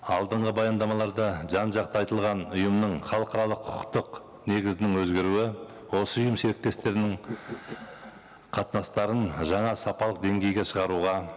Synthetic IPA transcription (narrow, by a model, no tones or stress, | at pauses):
ɑlˠd̪əɴʁəbɑjɑnd̪ɑmɑlˠɑɾd̪ɑʒɑnʒɑqt̪əɑjt̪əlˠʁɑnʊjəmnəɴχɑlˠəqɑɾɑlˠəqʰʊ̥qʰqt̪əq | ne̞ɡʲɪzɪnɪŋwɵzɡʲe̞ɾuɪ | wo̞səʊjəmʃeɾɪk̚t̪e̞st̪e̞ɾɪnɪŋ | qʰɑt̪nɑst̪ɑɾənʒɑɴɑsɑpɑlˠəq̚d̪e̞ŋɡʲe̞jɡʲe̞ʃəʁɑɾuʁɑ